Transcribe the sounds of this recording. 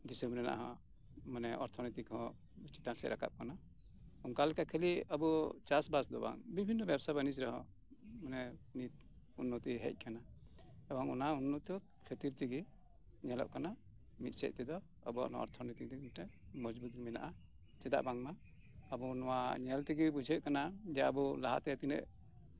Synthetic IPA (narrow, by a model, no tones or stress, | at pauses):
d̪isɛmbɾɛna̰ʔa̰ɦɔ | manɛɔɾt̪ʰɔnit̪ikʰɔ̃ | t͡ʃi̥t̪ansɛ̰ɾaka̰p̚kana | uŋkalɛkakʰɛliabut͡ʃasbasd̪ɔba̰ŋbibʱinːɔbjɛbsabanisɾɔɦɔ̃ | manɛnit̪̚ | unːɔt̪ɛɦɛ̰c̚ˀkana | ɛbaŋunaunːɔt̪ɔ | kʰet̪iɾt̪iɡɛ | ɲɛlɔ̰ʔkana | mit̪̚sɛ̰ʔt̪ɛd̪ɔ | a̰bua̰ʔnɔ̰ɔ̰ɾt̪ʰɔɾnit̪id̪iʈɛʔ | mɔd͡ʒbut̪̚ɡmina̰ʔa | t͡ʃɛd̪a̰ʔbaŋmaː | bunɔwaɲɛlt̪iɡɛbud͡ʒʱɛʔ̚kanad͡ʒɛaːbulaɦa̰t̪ɛat̪inɛ̰ʔ